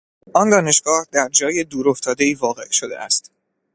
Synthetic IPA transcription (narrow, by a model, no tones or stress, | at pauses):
ʔɒnd̪ɒːne̞ʃɡ̥ɒːhd̪æɾd͡ʒɒːjed̪uːɾoft̪ʰɒːd̪e̞iːvɒːɣe̞̰ʔʃo̞d̪e̞ʔæ̰st̪